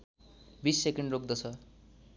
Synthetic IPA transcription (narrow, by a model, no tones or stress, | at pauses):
bisːekeɳɖrok̚ʰd̪ʌt͡sʰʌ